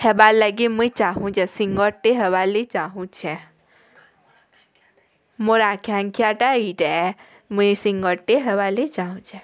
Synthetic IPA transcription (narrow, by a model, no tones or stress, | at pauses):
hebalːəɡimũit͡ʃaɦũt͡ʃɛsiŋɡɔʈeɦəʋalet͡ʃaɦũt͡ʃʰɛ | moɾakʰaŋkʰjaʈaiʈɛ | mũisĩŋɡɔʈeɦəʋalet͡ʃaɦũt͡ʃʰɛ